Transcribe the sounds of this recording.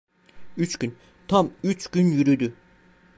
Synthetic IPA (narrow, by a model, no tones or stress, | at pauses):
yt͡ʃɟyn | t̪ʰamyt͡ʃɟ̥ynjyɾyd̪y